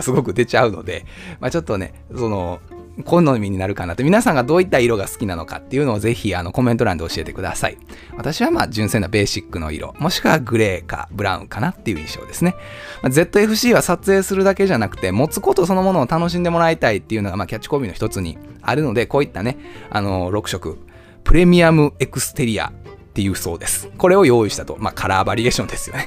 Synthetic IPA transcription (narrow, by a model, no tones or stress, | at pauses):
sɨɡo̞kɯ̟d̪e̞t͡ɕaɯ̟no̞̰d̪e̞̰mat͡ɕo̞t̪ːo̞ne̞̰ | so̞no̞ | kʰõ̞nːo̞mʲiɲ̟inaɾɯ̟kanat̪ːomʲinasãŋɡad̪o̞ːit̪ːaiɾo̞ɡasɨ̥kʲinano̞̰ka̰t̪ːe̞iɯ̟noːze̞çiano̞ko̞mẽ̞t̪o̞ɾã̰nd̪e̞o̞ɕie̞t̪e̞kɯ̟d̪a̰sa̰ḭβat̪aɕiβamaːd͡ʑɨ̃sẽ̞nːabe̞ːɕikːɯ̟no̞̰ḭɾo̞̰mo̞ɕi̥kɯβaɡɯ̟ɾe̞ːka̰bɯ̟ɾã̰ɯ̟̰̃ŋkanat̪ːe̞jɯ̟ḭ̃ɕo̞̰ːd̪e̞sɨne̞maze̞t̪ːo̞e̞ɸɯ̟ɕiːβasat͡sɨe̞ːsɨɾɯ̟d̪ake̞ʑanakɯ̟̥t̪e̞mo̞t͡sɨ̥ko̞t̪o̞so̞no̞mo̞no̞ːt̪ano̞ɕ̬ĩnd̪e̞mo̞ɾait̪ait̪ːe̞iɯ̟no̞ɡamaːkʲat͡ɕːi̥ko̞ːbʲino̞çit̪t͡sɨɲ̟ḭa̰ɾɯ̟no̞d̪e̞ko̞ːit̪ːane̞a̰no̞ɾo̞kɯ̟ɕo̞kɯ̟ | pɯ̟ɾe̞mʲiamɯ̟e̞kɯ̟sɨ̥t̪e̞ɾʲia̰t̪ːe̞jɯ̟ːso̞̰ːd̪e̞sɨ̥ko̞ɾe̞o̞jo̞ːiɕi̥t̪at̪o̞makʰaɾaːbaɾʲie̞ːɕõ̞nd̪e̞sɨ̥jo̞ne